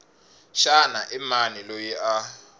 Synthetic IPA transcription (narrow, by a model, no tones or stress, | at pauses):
ʃana̰ʔɛmanilojiʔa